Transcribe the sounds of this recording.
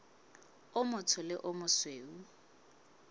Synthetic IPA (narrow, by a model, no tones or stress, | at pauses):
ʊmʊt͡sʰʊlɪʔʊmʊsweːu